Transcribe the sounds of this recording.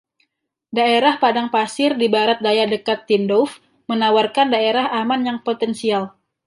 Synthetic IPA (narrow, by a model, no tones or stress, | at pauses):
daeɾahpadaŋpasɪrdibaɾat̪̚dajadəkat̪ːindɔf | mənawarkandaeɾaɦamanjaŋpot̪ɛnsial